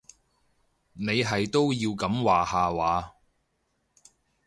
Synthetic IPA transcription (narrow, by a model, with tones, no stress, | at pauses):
ne˨˧jɦɐ˨jt̪o˥wjiː˧wkɐ˨˥mwaː˨˩haː˨waː˨˧